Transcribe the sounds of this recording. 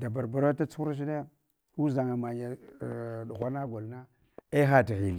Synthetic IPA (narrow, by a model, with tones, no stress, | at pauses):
da˨ba˨ɾba˨ɾa˦ta˦t͡su̥˦u˦ɾʃ̬i˦ne˦ | ku˦za˨ŋa˨ma˨ɲa˨ | ɗu˨xʷa˦na˦ɡo˨lna˦ | e˦xa˦ti˨ɣi˨li˨